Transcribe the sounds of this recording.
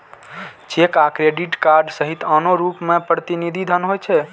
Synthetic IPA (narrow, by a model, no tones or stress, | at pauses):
t͡ʃekakɾeɖiʈkaɾɖsəɦit̪ənoɾupmepɾət̪inid̪ʱid̪ʱənɦojt͡ʃʰɛ